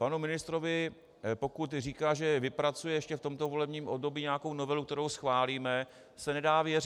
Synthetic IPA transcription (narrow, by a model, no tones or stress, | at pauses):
panumɪnɪst̪ɾovɪ | po̞kut̪riːkaːʒɛvɪpɾat͡sujɛjɛʃcɛft̪o̞mt̪ovo̞lɛbɲiːmʔobdo̞bjiːɲɛakownovɛluk̚t̪ɛɾowsxvaːliːmɛ | sɛnɛdaːvjɛrɪ